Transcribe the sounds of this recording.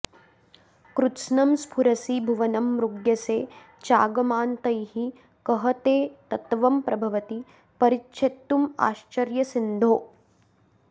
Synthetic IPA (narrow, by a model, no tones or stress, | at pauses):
kɾutʃnɐmspʰuɾɐsibʱuʋɐnɐmɾuɡjɐseː | t͡ʃaːɡɐmaːnt̪ɐjɦi | kɐɦɐt̪eːt̪ɐt̪ʋɐmpɾɐbʱɐʋɐt̪i | pɐɾitːʃʰet̪ːuma̰ːʃt͡ʃɐɾjɐsind̪ʱoː